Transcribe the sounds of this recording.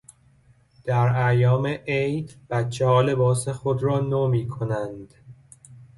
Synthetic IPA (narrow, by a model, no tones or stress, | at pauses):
d̪̥æɾæjɒːmeʔejd̪b̥ætt͡ʃʰːehɒːle̞bɒːsexod̪rɒːnoːmiːkʰonænd̪̥